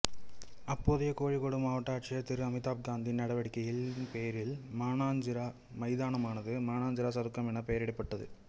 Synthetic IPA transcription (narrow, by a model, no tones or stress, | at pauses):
ɐpːoːðɐjɐkoːɻikoɽɯmaːʋɐʈːaːʈt͡ʃɐjɐt̪ːɪɾɯɐmɪt̪ːaːp̚ɡaːnd̪inːɐɽɐʋɐɽɪkːɐjɪlpeːjɐɾɪlmaːnaːɲd͡ʒɪɾa | mɐɪðaːnɐmaːnɐðɯmaːnaːɲd͡ʒɐɾasɐðɯkːɐmɛnɐpɛjɐɾɛɽɐpːɐʈːɐðɯ̰